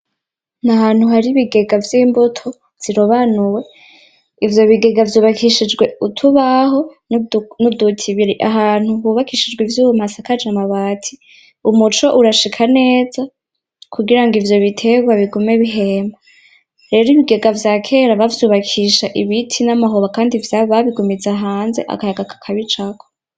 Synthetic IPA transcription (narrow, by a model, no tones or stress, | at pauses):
nahaːn̥huɦaɾiβiɡe̞ɡavjiːmbutʰo | v̥z̥iɾoβanuwe̞ | ivjo̞βiɡe̞ɡavjuːβakʰiʃid͡ʒɡwe̞utʰuβaɦo̞ | nudutʰiβiɾiʔaɦaːn̥huhuːβakʰiʃid͡ʒɡwivjuːwum̥asakad͡ʒamaβaːtʰi̥ | umut͡ʃo̞ʔuɾaʃikʰane̞ːza | kʰuɡiɾaŋɡivjo̞βitʰe̞ɡwaβiɡumeβiɦe̞ma | ɾe̞ːɾiβiɡe̞ɡavjaːkʰe̞ːɾaβavjuːβakʰiːʃaʔiβitʰinamaɦoβakaːndivjaβaβiɡumid͡zaɦaːnze̞ʔa̰kajaɡakʰḁkʰaβit͡ʃakʰo